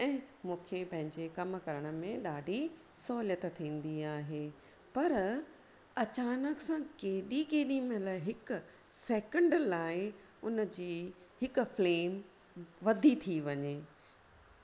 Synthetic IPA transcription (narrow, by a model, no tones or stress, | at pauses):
ɛ̃ːmũːkʰepɐ̃ɦɪ̃ɲd͡ʑekɐmkɐɾəɽ̃ə̆mẽɗaːɖʱi | sɔːljət̪t̪ʰĩːn̆d̪iaːɦeː | pɐɾ | ɐt͡ɕaːnəksãkeːɗikeːɗĩmẽlaɦɪkʊ | sɛːkə̃ɳɖəlaːɪ | ʊnəd͡ʑiːhɪk̆fleːm | ʋɐd̪ʱit̪ʰiʋɐɲeː